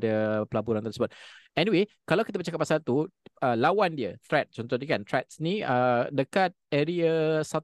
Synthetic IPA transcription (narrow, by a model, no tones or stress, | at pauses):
dəpəlabuɾant̪əɾsəbɔt̪̚ɛniwekalawkit̪̬əbət͡ʃakapːasalt̪uəlawandiət̪ɾɛt̪̚t͡ʃɔnt̪ɔhdəkant̪ɾɛt̪̚snĩədəkat̪̚ɛɾiəsat̪